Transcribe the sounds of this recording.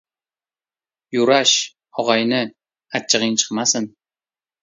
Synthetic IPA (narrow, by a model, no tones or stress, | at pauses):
juɾɑʃ | oʁɑjnɪ | at͡ʃːəʁint͡ʃʰə̥qmɑsən